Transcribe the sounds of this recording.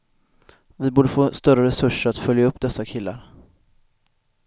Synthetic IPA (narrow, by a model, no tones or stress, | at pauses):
vɪbuːɖəfoːst̪œɾəɾɛsɵʂəɾat̪fœljaɵpːd̪ɛsːakʰɪlːa̰ɾ